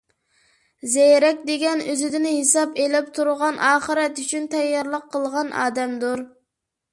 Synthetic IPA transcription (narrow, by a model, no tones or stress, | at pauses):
zɛjɾɛkʲd̪eɡʲɛnøzɪd̪ɪnɪhesɑpelɪp̚t̪ʰuɾʁɑnʔɑːχəɾɛt̪yt͡ʃʰynt̪ʰɛjːɑɾlˠəqʰːəlˠʁɑnʔɑ̰ːd̪ɛmd̪uɾ